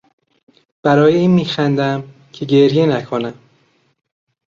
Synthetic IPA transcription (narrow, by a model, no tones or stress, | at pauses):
b̥æɾɒːjeiːnmiːxænd̪æm | cʰe̞ɟe̞ɾje̞nækʰonæm